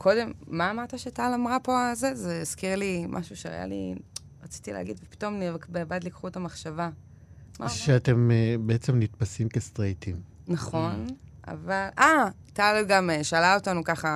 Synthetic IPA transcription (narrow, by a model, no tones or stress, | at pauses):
kʰo̞de̞mːaːmaʁt̪aʃeatalamʁapo̞alzezeiz̥kiʁlimʔa̰ʃuʃeʁa̰ja̰lḭ | ʁat͡si̥t̪ilḛːɡidvepi̥to̞mnikbebadlikχuetamaχʃava | maʃeat̪emebeet͡semnit̪pasimkest̪ʁet̪im | naχo̞n | a̰valʔatalɡameʃalaotanukaχa